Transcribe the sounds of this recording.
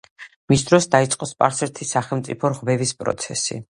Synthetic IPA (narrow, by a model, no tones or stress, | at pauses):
misd̪ɾɔsd̪ait̪sʼqʼɔspʼaɾsɛɾt̪ʰisaχɛlˠmt̪sʼḭpʰɔɾʁvɛvispʼɾɔ̰t̪sʰɛsḭ